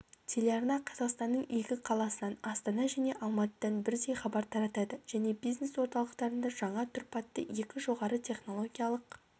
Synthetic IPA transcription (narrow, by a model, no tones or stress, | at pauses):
t̪ʰe̞lʲe̞ɑɾnɑqʰɑzɑqst̪ɑnːəɴjekʲɪqʰɑlˠɑsənɑnɑst̪ɑnɑʒæneʔɑlˠmɑt̪əd̪ɑnbɪɾd̪e̞jχɑbɑɾt̪ʰɑɾɑt̪ɑd̪əʒ̥æne̞bijzne̞swo̞ɾt̪ɑlˠəqt̪ɑɾənd̪ɑʒɑɴɑt̪ʰʏɾpɑt̪ːəje̞kʲɪʒo̞ʁɑɾət̪ʲʰe̞χno̞lˠo̞ɡʲijɑlˠəq